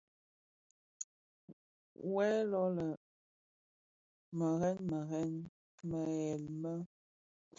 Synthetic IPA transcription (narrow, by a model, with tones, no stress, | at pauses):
wɛ˦lɔ˦lə˨ | mə˨ɣɛ˦nmə˨ɣɛ˦n | mə˨ɣɛ˨lmə˦